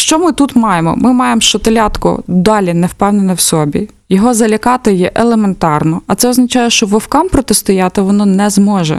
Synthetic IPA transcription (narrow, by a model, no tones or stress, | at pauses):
ʃt͡ʃɔmɪt̪ut̪mɑjemɔ̰mɪmɑjemʃt͡ʃɔt̪elʲɑt̪kɔ̰d̪ɑlʲinɛwpɛwnenɐwsɔbʲi | jɔɦɔzɐlʲɐkɑt̪ɪjɛʔelˠement̪ɑrnɔɐt̪sɛɔznɐt͡ʃɑjɛʃt͡ʃɔʋɔwkɑmpɾɔt̪est̪ʊjɑt̪ɪʋɔnɔnɛzmɔʒɛ̰